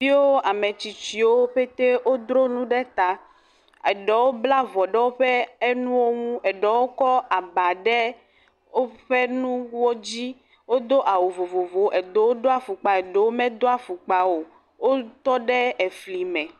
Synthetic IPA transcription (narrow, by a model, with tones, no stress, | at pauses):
i˦wo˦a˨me˨t͡ɕi˨t͡ɕi˨wo˦ɸe˦t̪e˦wo˦d̪ɾo˦nũ˦ɖɛ˦t̪a˨ | e˨ɖɛ˨wo˦bla˦vɔ˨ɖɛ˦wo˦ɸe˦e˦nũ˦wo˦ŋũ˦ɛ˨ɖɛ˨wo˦kɔ˦a˨ba˨ɖɛ˦ | o˦ɸe˦nũ˦wɔ˦d͡ʑi˦ | wo˦d̪o˦ʔa˨wo˨vo˨vo˨vo˨ʔe˨d̪o˦wo˦d̪o˦a˨fu˨k͡pa˨e˨ɖe˨˦wo˦mɛ̃˦d̪o˦a˨fu˨k͡pa˨wo˨ | wo˦t̪ɔ˦ɖɛ˦e˨fli˨mɛ̃˨